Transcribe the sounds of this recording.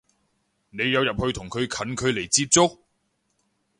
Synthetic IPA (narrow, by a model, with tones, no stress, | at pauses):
ne˨˧jːɐ˨˧wjɐ˨p̚hɵ˧ɥt̪ʰʊ˨˩ŋkʰɵ˨˧ɥkʰɐ˨˥nkʰɵ˨˧ɥle˨˩jt͡siː˧p̚t͡sʊ˥k̚